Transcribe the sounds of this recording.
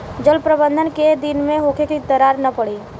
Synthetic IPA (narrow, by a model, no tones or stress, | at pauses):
d͡ʒəlpɾəbə̃nd̪ʱənked̪ɪnmẽɦoːkʰekit̪əɾaːɾnɐpɐɽiː